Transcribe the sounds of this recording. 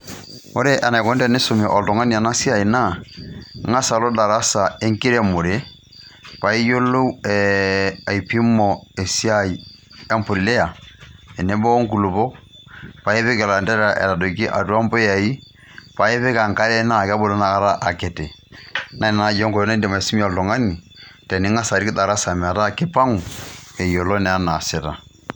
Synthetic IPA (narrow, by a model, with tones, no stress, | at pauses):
o˦ɾɛ˦ʔa˨na˨i˨kɔ˦ndɛ˦˨ne˦so˨mɛ˨ʔɔ˨ltɔ˨ŋa˦ni˦a˨na˦si˦a˦˨i˨na˦ | ŋa˦sa˨lo˦da˨ɾa˦sa˨e˦ŋki˦ɾɛ˨mo˨ɾe˨˦ | pa˨i˦jo˦lo˦ɛa˨i˨pi˦mɔ˨e˨sja˦i˨ | ɛ˦mpo˨li˨lɛ˦a˨ɛ˨ne˦bɔ˦ŋku˨lu˨pɔ˦pa˨˦e˦βɛ˦kɛ˨la˨ndɛ˦ɾa˨ʔɛ̰˨ɾa˨do˨ki˦ʔa̰˨tu˦a˦mbɔ˦ja˨i˦ | pa˨˦e˦βɛ˦ka˨ŋka˦lɛ˦na˦˨ka˦bo˨lɔ˦na˨˦a˦ɾa˦ʔa˨kɛ˨tɛ˨na˦ɛ˨na˦jɔ˦ŋkɔ˨jɔ˦na˦dɛ˨ma˨si˦mi˦a˨ltɔ˨ŋa˦ni˨ | tɛ˨ni˦ŋa˦sa˨ɾi˦ki˦ta˨ɾa˦sa˨mɛ˨a˨ɾa˦˨ke˦pa˦ŋu˨ɛ˨jɔ˨lɔ˦nɛ˨a˦na˨sɛ˨ɾa̰˨